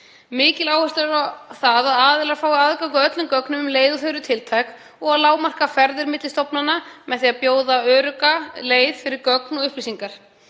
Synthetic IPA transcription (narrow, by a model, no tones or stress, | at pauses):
mɪːcɪlawhɛst̪aɾɾaθaðaðaːðɪlaɾ̥faːwaaðkaŋkœt̪lʏmkœknʏmʏmleːjðʏθœɾʏt̪ʰɪlt̪ʰajk | ɔɣaðlaːwmar̥kafɛɾðɪɾmɪt̪lɪst̪ɔpnanːamɛðθiːapjoːwðaœːɾʏkaleːjðfɪɾɪɾkœknɔɣʏhplisiŋkaɾ̥